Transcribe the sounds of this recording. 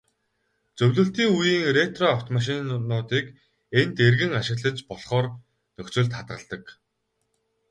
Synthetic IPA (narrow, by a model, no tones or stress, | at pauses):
t͡sɵwʲɮɵ̆ɬt̪iːŋujiːŋret̪rɔaw̥t̪maʃ̬ɪ̆nːʊːt̪iːk | ent̪erɣɘ̆ŋaʃɪ̆ɣɮə̆t͡ɕpɔɮχɔːr | nɵkt͡sɵ̆ɮt̪χat̪̚ɢə̰̆ɮt̪ə̆k